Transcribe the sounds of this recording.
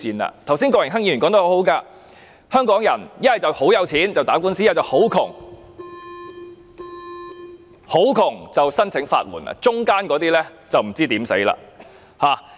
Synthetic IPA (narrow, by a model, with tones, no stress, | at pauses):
iː˨˩na̰ː˧t̪ʰwsiː˥nkɔː˧jɪ˨˩ŋɦɐ˥ŋji˧˥ɥy˨˩nkɔː˨˥ŋt̪ɐ˥ho˧˥ho˨˥wkaː˧ | hœː˥ŋkɔː˨˥ŋjɐ˨˩njɐ˥nhɐ˨jt͡sɐ˨who˨˥wjɐ˨˧wt͡sʰiː˨˥nt͡sɐ˨wt̪aː˨˥kuː˥nsi˥ɐ˨˩t͡sɐ˨˩who˨˥wkʰʊ˨˩ŋ | ho˨˥wkʰʊ˨˩ŋt͡sɐ˨˩wsɐ˥nt͡sʰɪ˨˧˥ŋfa̰ː˧t̚wṵ˨˩na̰˧t͡sʊ˥ŋkaː˥nkɔː˨˥t̪iː˥lɛ˥t͡sɐ˨wm̩˨˩t͡siː˥t̪iː˨˥msḛ˨˥jla̰ː˧ | haː˨˩